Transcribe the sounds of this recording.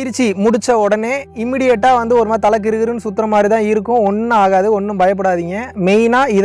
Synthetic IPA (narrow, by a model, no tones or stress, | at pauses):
ɪɾt͡ʃːimʊɽɪt͡ʃːɐɔɽɐneːɪmːiːɽɪjɛʈːaːʋɐnd̪ɯɔɾɯmaːt̪ɐlɐk̬ːɪɾɯɣɯɾɯnsʊt̪ːɪɾɐmaːd̪ɾit̪ãːɪɾɯkːʊ̃ɔnːɯaːɣaːðɯɔnːɯmbɐjɐpːɐɽaːðiːŋɡɐmɛjnaːɪð